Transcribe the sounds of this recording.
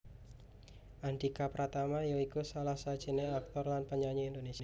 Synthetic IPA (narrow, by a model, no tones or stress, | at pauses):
ʔand̪ikapɾat̪amajoikusalahsḁd͡ʒ̥ineak̚t̪ɔrlanpəɲaɲiːnd̪ones